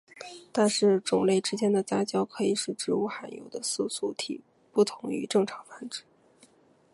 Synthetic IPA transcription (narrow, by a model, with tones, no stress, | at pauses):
t̪a˥˧nʂɻ̩˥˩ʈ͡ʂʊ˨˩ŋle˥˩ɪʈ͡ʂɻ̩˥t͡ɕjɛ˥nd̪ə˨t͡sa˥t͡ɕjɑ˥ʊkʰɤ˧˥i˨˩ʂɻ̩˥˩ʈ͡ʂɻ̩˧˥u˧˥xa˧˥njo̰˨˧˩ʊd̪ə˦su˥˧su˥˩t̪ʰḭ˨˩ | pu˥˩t̪ʰʊ˧˥ŋy̰˧˥ʈ͡ʂɤ˥˩ŋʈ͡ʂʰɑ˧˥ŋfa˥nʈ͡ʂɻ̩˥˩